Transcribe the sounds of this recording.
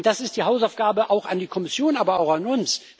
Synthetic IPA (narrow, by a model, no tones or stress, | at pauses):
d̥asɪstd̥iːɦaʊsaʊfɡ̥aːbəʔaʊxandiːkʰɔmɪsjoːnaːbɐaʊxanʊns